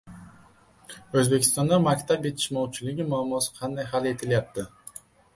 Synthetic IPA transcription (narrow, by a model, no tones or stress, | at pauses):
ɵzbe̞kʲʰɪ̥st̪ɒnd̪amakʲt̪ʰapje̞t̪ʰɪ̥ʃmɒwt͡ʃʰɪlɪɡʲɪmʊamːɒsɪ̥qʰɑnd̪ajɦale̞t̪ʰɪljap̚t̪ʰɪ